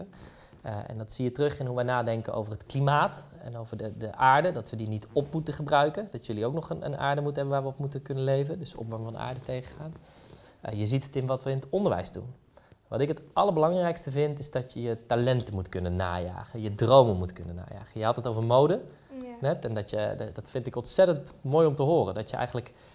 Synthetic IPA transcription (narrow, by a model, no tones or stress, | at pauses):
ə | ɛ̰ndɑtsiːətrɵχɪnɦuʋɛjnaːdɛŋkəʔo̰wvərɦətklimaːt | ɛ̰nowvəɹdədəʔaːɹdədɑtʋədinitɔpmutəχəbrœɥkəndɑtjəliowknɔχənə̰na̰ːɹdəmutəɦɛbənʋaːɹʋəɔpmutəkɵnənlejvəndɵsɔ̰pʋɔŋvɑndə̰a̰ːɹdətejχəχaːn | jəzitətɪnʋɑtʋəɪnətɔndəɹʋɛ̰jsdṵn | ʋɑ̰tɪkɦətɑləɹbəlɑŋrɛjkstəvɪntɪzdɑtjəjətalɛntəmutkɵnəna̰ːja̰ːχəjədrowməmutkɵnəna̰ːja̰ːχəjəɦɑtətovəɹmowdə | nɛtɛndɔtjədɑtfɪntɪkɔnsɛtəntmoːjɔmtəɦoːrə̰dɔtjəɛ̰jɣən̩lək